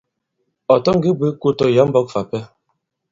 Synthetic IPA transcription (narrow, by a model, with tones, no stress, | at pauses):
ɔ˨tɔ˦ŋ̩˦ɡi˦bi˦ku˦tɔ˦ja˨˦m̩˦bɔ˦k̚fa˨pɛ˦